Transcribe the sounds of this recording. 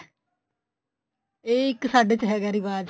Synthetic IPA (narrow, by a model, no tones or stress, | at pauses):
eːɪksaːɖeːt͡ʃɦɛːɡaːɾiːbaːd̪